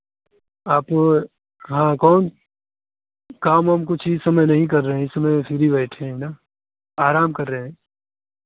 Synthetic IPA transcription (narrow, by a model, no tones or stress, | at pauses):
aːp | ɦãːkɔːn | kaːmɦɐmkʊt͡ʃʰɪsɐməjnɐɦĩk̬ɐɾːɐɦɛ̃ɪsəməjpʰɪɾibɛːʈʰẽɦɛnaː | aːɾaːmkɐɾːɐɦɛ̃ː